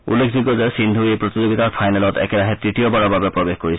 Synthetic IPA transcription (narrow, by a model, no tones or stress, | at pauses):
ṵlːekʰziɡɔzɛsind̪ʱuejpɹɔt̪izoɡitaɹpʰajnɛlɔtɛ̰kɛɹaɦɛtɹitijɔbaɹɔbabɛpɹɔbexkoɹisɛ